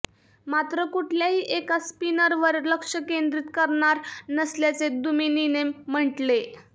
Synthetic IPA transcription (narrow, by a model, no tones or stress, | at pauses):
mat̪ɾəkuʈʰljaɦiːʔekaspinəɾʋəɾləkʂəkend̪ɾit̪kəɾɳaɾnəsljat͡sed̪umininem̤ːəʈle